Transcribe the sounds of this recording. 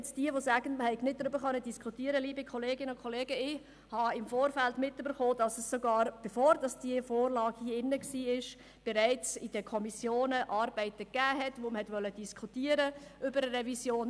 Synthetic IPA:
t͡sd̥iəʋosæːɡ̥ən̩məhɛɪɡnɪt̚d̥ɾʏbəɾχœnːədiskχutiəɾəliːbikʰχɔleːɡɪnəʊkʰχɔleːɡəɪ | hɑɪmfoːɾfæltmɪtøbəɾχoːd̥ɑsəsːoɡɑːɾb̥efoːɾd̥ɑsd̥iəfoːɾlɑːɡhiːɪnːəksiːɪʃ | b̥ɛɾæɪt͡sɪd̥əkʰɔmisjoːnəʔɑːɾbɛɪtəɡ̥æːɦɛtʋoməhɛtʋœlːəd̥iskʰχutiːəɾəʔʏbəɾəɾɛvisjoːn

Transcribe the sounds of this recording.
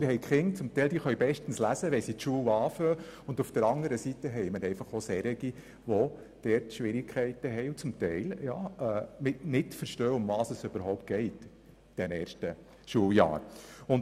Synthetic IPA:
ɪɾhɛɪkχɪŋt͡sʊmt̪ɛɪld̥̪iːχœɥbɛʃtən̩slæzəʋɛsitʃuəwɑːføːʊndufd̥əɾɑŋəɾəsitəɦɛɪməɾɛɪjfɑχosɛɾɪɡi | ʋɔ | d̥ɛːɾtʃʋɪɾɪkʰɛɪtəɦɛjʊt͡sʊmtɛɪljɑ̰ːɛːmɪtnɪtfəɾʃtøːʊmvɑːsəsøb̥əɾɦɔʊp̚t̚ɡ̥ɛɪt | d̥ɛnɛːɾʃtə | ʃuːəljɑ̰ːɾʊn

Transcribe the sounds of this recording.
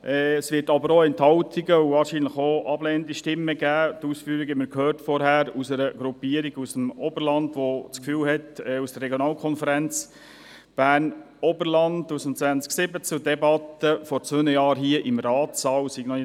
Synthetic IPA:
ʔɛsvʋɪːtɑbəɾoɛnthɑwtʰiɡəuvɑːɾʃiːnləχoʔɑbleːndiʃtɪmːəɡæːtuːsfyːəɾiɡɛməɾkhøːrtfɔɾhæɾusɛɾəɡɾupiːəɾiɡusəmɔbəɾlɑndʋot͡skfyːlhɛtɛusd̥ərːɛɡjɔnɑːlkʰɔnfəɾænt͡s | b̥æːrn | ɔbəɾlɑndusəm̩t͡sʋænt͡sksɪbət͡sudɛbɑt̪əfɔɾt͡sʋønəjɑːɾɦiəʔɪmɾɑːtsɑːwsiɡ̥nɔnɪ

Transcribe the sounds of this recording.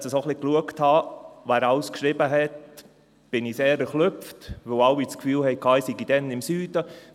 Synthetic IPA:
səsoχlikluəkthɑæːɾaʊskʃɾibəɦɛt̚ | b̥ɪniseːɾɛɾχlʏftʋəwɑwːit͡skfyːlhɛɪkʰɑːisiɡid̥ɛnɪmsyːd̥ə

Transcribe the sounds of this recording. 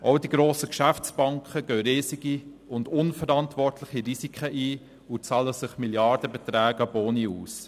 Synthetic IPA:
ʔaʊdiɡɾoːsəkʃæft͡sb̥ɑŋkχəɡ̥œːɾɪːsiɡi | ʊndʊnfəɾɑntʋɔrtlɪχiɾisikχəʔiː | ʊt͡sɑləsɪχmiljɑɾd̥əbɛt̪ɾæːɡɑboːniuːs

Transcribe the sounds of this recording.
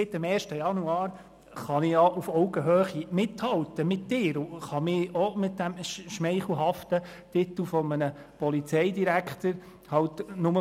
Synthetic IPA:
sɪt̪ɪmɛːɾʃtəjɑnuɑːɾ | χɑnɪjɑʔufɔʊɡəɦøːχimɪthɑwt̪əmɪtːɪːɾʊχɑmɪɔmɪt̚d̪æmʃʃmɛɪχl̩ˠɦɑft̪ə | tɪtəl̩fɔmənə | pɔlit͡sɛɪd̪iɾækχt̪əɾ | hɑwtnʊmə

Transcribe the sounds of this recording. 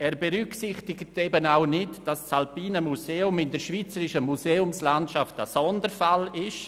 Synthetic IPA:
ɛːɾbeɾyksɪχtɪɡətebənaʊnɪtd̥ast͡salpiːnəmuseːʊmɪndɛɾʃviːt͡səɾɪʃəmuseːʊmslantʃaftəsɔndəɾfalɪʃ

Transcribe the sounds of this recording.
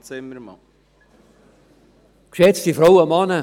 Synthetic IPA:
t͡sɪməɾmɑ | kʃɛt͡stifɾowəmɑnə

